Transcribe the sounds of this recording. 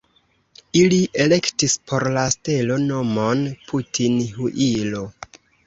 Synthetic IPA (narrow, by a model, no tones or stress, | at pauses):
iliʔe̞le̞ktispʰo̞ɾlaste̞lo̞no̞mo̞npʰutʰinhuʔilo̞